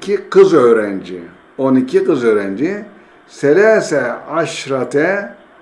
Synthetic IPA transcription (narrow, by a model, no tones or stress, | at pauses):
kʰikɯzøːɾɛnd͡ʒḭ | onicʰikɯzøːɾɛnd͡ʒi | selɛsɛaʃɾat̪ʰɛ